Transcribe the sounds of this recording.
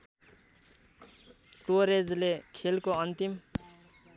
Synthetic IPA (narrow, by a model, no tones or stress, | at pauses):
ʈoɾed͡zlekʰelkoʌnt̪im